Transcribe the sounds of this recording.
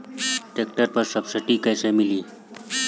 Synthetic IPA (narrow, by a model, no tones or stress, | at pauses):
ʈek̚ʈəɾpəɾsəbsɪʈikəːsemɪliː